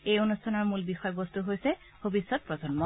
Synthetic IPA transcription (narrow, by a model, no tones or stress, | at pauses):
ejonustʰɔnɔɹmulbixɔjɔbɔstuɦojsɛ | bʱobisːɔt̚pɹɔzɔnmɔ